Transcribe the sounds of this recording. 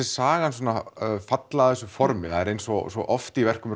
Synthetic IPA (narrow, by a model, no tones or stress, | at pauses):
ɛ̥saːɣans̬ɔːnafat̪laaðθɛsʏfɔɾmɪaðɛɾejnsɔsɔʔɔft̪ivɛr̥kʏm